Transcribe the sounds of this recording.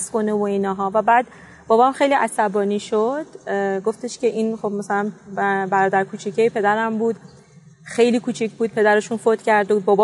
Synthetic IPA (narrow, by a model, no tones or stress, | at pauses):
sko̞nevoinɒːɦɒːvæbæːd̪ | b̥ɒːbɒmxe̞jliʔæsæbɒːniːʃod̪̥ɡo̞ft̪eʃce̞ʔiːnxobmæsælænbæɾɒːd̪æɾkʰuːt͡ʃʰicʰejpʰe̞d̪æɾæmbuːd̪ | xe̞jliːkʰuːt͡ʃʰicʰbuːd̪̚pʰe̞d̪æɾeʃuːnfoːt̪ʰcʰæɾd̪uːd̪̚bɒːbɒ